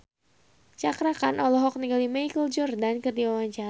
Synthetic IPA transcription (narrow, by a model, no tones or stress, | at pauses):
t͡ʃakɾakanʔɔlɔɦɔk̚niɡalimaikəld͡ʒʊrdankərdiwawaɲt͡ʃa